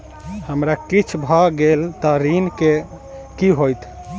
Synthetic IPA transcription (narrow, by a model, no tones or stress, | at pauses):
həmɾakit͡ʃʰbʱaɡelt̪əɾinke | kiɦojt̪ʰ